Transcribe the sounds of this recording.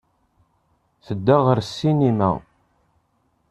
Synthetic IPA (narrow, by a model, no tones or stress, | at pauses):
θəd̪ːæʁəɾsːinimæ̰